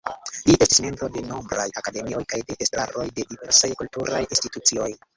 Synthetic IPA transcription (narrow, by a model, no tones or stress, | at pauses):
lie̞sti̥sme̞mbɾo̞de̞no̞mbɾa̰jakade̞mio̞jkajde̞ʔestɾa̰ɾo̞jde̞dive̞ɾsajkultuɾa̰jinstitut͡sio̞j